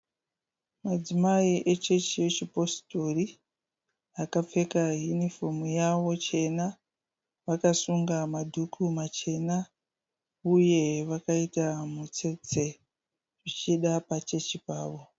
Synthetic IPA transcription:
mad͡zimaiʔe̞t͡ʃe̞t͡ʃije̞t͡ʃipo̞sto̞ri | akap͡fe̞kajunifo̞mujaʋo̞t͡ʃe̞na | ʋakasuŋɡamadʱukʰumat͡ʃe̞na | uje̞ʋakaitamut͡se̞t͡se̞ | ʐit͡ʃiɗapat͡ʃe̞t͡ʃipaːʋo̞

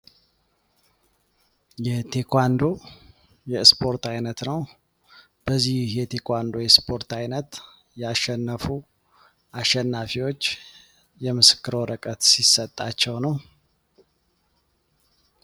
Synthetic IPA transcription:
jɛt̪ʰekʰʷwand̪o̞ | jɛspʰo̞ɾt̪ajnət̪nəw | b̥əzːihhjɛt̪ʰekʰʷand̪o̞jɛspʰo̞ɾt̪ajnət̪ | jaʃːɛnːəfu | ʔaʃːɛnːafiwo̞t͡ʃː | jɛmɨsɨ̥kːɨɾoɾəkʼət̪sisːət̪ʼːat͡ʃːɛwnəw

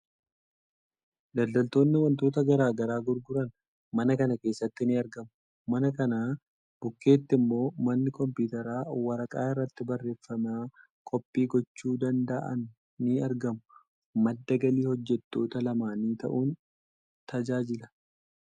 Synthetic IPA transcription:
d̪ɐld̪ɐlt̪o̞ːnːɪwɐnt̪o̞ːt̪ɐɡɐɾaːɡɐɾaːɡʊɾɡʊɾɐn | mɐnɐkɐnɐke̞ːsːɐt̪ːɪnɪɐɾɡɐmʊ | mɐnɐkɐnaː | b̥ʊkːe̞ːt̪ːɪmːo̞ːmɐnːɪkɔmpuːt̪ɐɾaːwɐɾɐkʼaːɪrːɐt̪ːɪbɐrːe̞ːfːɐmaː | kʼɔpʼːiːɡɔt͡ʃːuːd̪ɐnd̪ɐʔɐ̰nː | ɪɐɾɡɐmʊ | mɐd̪ːɐɡɐliːhɔd͡ʒːɛt̪ːo̞ːt̪ɐlɐmaːniːt̪ɐ̰ʔuːn | t̪ɐd͡ʒaːd͡ʒɪlɐ̥

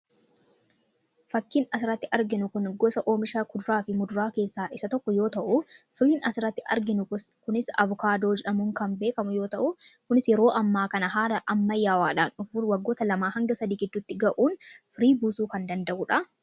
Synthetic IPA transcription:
fɐkːɪnɐs̬ɪɾɐt̪ːɪʔɐɾɡɪnʊkʊnɡɔsɐʔoːmɪʃaːkʊd̪ʊɾaːfɪmʊd̪ʊɾaːke̞ːsːaːʔɪsɐt̪ɔkːɔjo̞ːt̪ɐʔʊfɪɾiːnɐsɪɾɐt̪ːɪʔɐ̰ɾɡɪnʊkʊnɪsɐ̰vʊkaːd̪o̞ːd͡ʒɛᶑɐmʊŋkɐmbe̞ːkɐmʊjo̞ːt̪ɐʔʊkʊnɪsjɛɾo̞ːʔɐmːaːkɐnɐɦaːlɐʔɐmːɐjːaːwaːᶑaːnɔfuːwɐɡːo̞ːt̪ɐlɐmaːhɐŋɡɐsɐd̪iːɡɪd̪ːʊt̪ːɪɡɐʔuːnfɪɾiːbuːsuːkɐnd̪ɐnd̪ɐʔʊᶑɐ

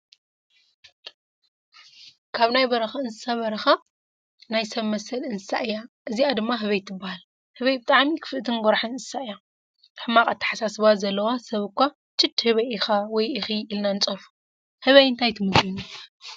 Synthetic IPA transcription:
kʰaβnajbɐɾɐxaɨnzɨsaβɐɾɐxa | najsɐβmɐsɐlɨnzɨsa̰ʔɨjaʔɨziad̪ɨmːaɦɨβɐjt̪ʰːɨbːahal | hɨβɐjbɨt̪ʼaʕmikʰɨ̥fɨʔt̪ʰɨnɡʷɔɾaħɨnnzɨsaʔja | ħɨmːakʼat̪ʰːḁħasasɨβazɐlːɐwasɐβɨkʷːa | t͡ʃʰʼːɨd̪hɨβɐjixawɔjʔɨxiʔilnanɨt͡sʼɐfu̥ | hɨβɐjɨnt̪ʰajt̪ʰɨmɨt̪unu

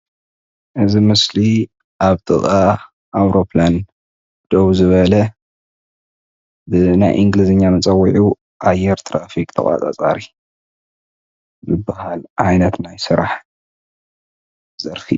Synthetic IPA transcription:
ʔɨzimɨsli | ʔaβt̪ʼɨ̰χʼa | ʔawɾo̞pʰlan | d̪̥oβzɨβɐlɐ | bɨna̰jʔɨŋɡlɨzɨɲːamɨt͡sʼɐwːiʕu | ʔajɛɾt̪ʰɾafikʼt̪ʰɐ̰xʼa̰t͡sʼa̰t͡sʼaɾi | zɨbːahalʕajnɐt̪najsɨɾaħ | z̥ɐɾfḭ

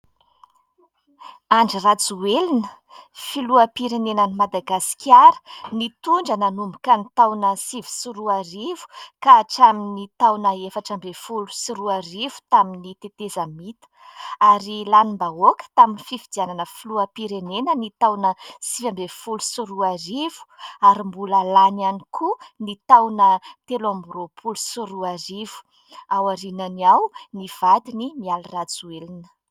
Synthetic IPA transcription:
aɳɖ͡ʐirat͡suwelinə | filuapiɾenenənimad̪aɡasi̥kʲʰjaɾə̥nit̪uɳɖ͡ʐananumbukanit̪awnəsivi̥siɾuarivu̥kaːʈ͡ʂaminit̪awnəefaʈ͡ʂambefulusiɾuarivu̥t̪aminit̪et̪ezamit̪ə̥aɾilanimbaokə̥t̪aminififid̪iananəfuluəpiɾenenənit̪awnəsivambefulusuɾuaɾivu̥aɾimbuləlananikʰunit̪awnət̪elambuɾopʰulusuɾuaɾivu̥ | awaɾinaniawniv̥ad̪inimialirat͡suelinə

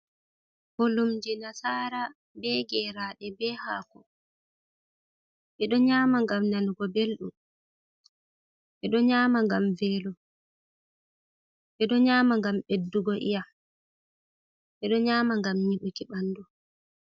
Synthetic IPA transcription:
holumd͡ʒɛnasaːɾa | bɛɡɛːɾaɗɛbɛːha̰ːkɔ | ɓɛɗɔɲaːmaŋɡamnanuɡɔbelɗṵm | ɛɗɔɲaːmaŋɡamvɛlɔ | ɓɛɗɔɲaːmaŋɡamɓedːuɡɔʔḭja | ɓɛɗɔɲaːmaŋɡamɲiɓukiɓandɔ

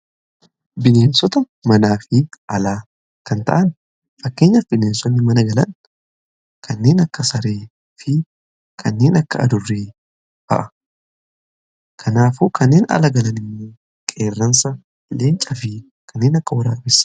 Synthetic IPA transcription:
bɪneːnsɔt̪ɐ | mɐnaːfɪʔɐlaː | kɐnt̪ɐ̰ʔɐn | fɐkːeːɲːɐfbɪneːnsɔnːɪmɐnɐɡɐlɐn | kʰɐnːe̞ːnɐkːɐsɐɾeː | fɪ | kʰɐnːe̞ːnɐkːɐɐ̰d̪ʊrːeː | b̥ɐ̰ʔɐ | kʰɐnaːfuːkʰɐnːeːnɐ̰lɐɡɐlɐnɪmːoː | kʼeːrːɐnsɐ | leːnt͡ʃʼɐfɪ | kʰɐnːe̞ːnɐkːɐwɐɾaːfɪs

